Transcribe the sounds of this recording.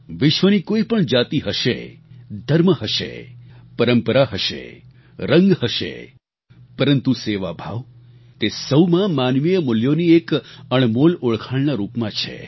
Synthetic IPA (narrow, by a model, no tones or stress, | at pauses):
ʋɪʃʋənikoipəɳd͡ʒat̪iɦəʃḛd̪ʱəɾməɦəʃḛpəɾəmpəɾaɦəʃḛ | ɾə̃ŋɡhəʃḛ | pəɾənt̪useʋabʱa̰ʋ | t̪esəwmãmanʋijəmʊljoniekəɳ̃moloɭkʰaɭnaɾupmãt͡ʃʰḛ